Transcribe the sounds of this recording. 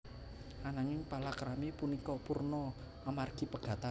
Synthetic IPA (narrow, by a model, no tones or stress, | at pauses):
anaŋɪŋpalakəɾamipunikɔpurnɔ | amarɡ̥i̤pəɡ̥ä̤t̪a